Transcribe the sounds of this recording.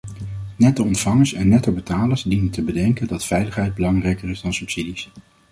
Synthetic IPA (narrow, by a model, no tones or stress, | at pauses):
nɛtdəɔntfɑŋəɹsɛnːɛtəbətaːləɹzdinəntəbədɛŋkəndɑtfɛjləχɦɛjd̚bəlɑŋrɛjkərɪzdɑnsɵpsidis